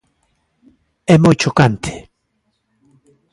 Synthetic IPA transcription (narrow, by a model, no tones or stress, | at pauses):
ɛmojt͡ʃokant̪ʰe̥